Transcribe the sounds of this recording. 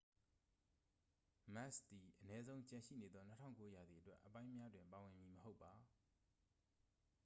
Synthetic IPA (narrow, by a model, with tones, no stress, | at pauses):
ma˦˨st̪i˨ʔənɛ˦zõ˦ʊ̃ɲt͡ɕã˨ʃḭ˦˨ne˨d̪ðɔ˦n̥ə˦tʰã̰˦˨ŋko˦ja˨d̪ði˨ətwɛ˦ʔːəpã˦ɪ̃mja˦dwɪ̃˨mpa˨wɪ̃˨mji˨məho˦ʊpːa˨